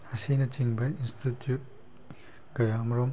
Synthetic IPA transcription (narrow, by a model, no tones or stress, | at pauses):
ɐsinɐt͡ʃiŋbɐinstitjut̚ | kɐjamɐɾɔm